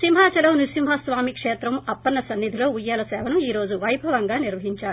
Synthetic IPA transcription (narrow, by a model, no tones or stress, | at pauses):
simɦaːt͡ʃɐlɐwnisimɦɐsʋaːmikʂeːt̪ɾɐmɐpːɐnːɐsɐnːid̪ʱilo̞ːujːɐlɐsɛːʋɐnuiːɾo̞ːd͡ʒuʋɐjbʱɐʋɐŋɡaːniɾʋɐɦiɲt͡ʃaːɾu